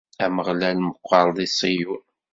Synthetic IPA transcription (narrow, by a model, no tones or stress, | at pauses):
æməʁlælməqʷːɑɾˤðˤisˤijun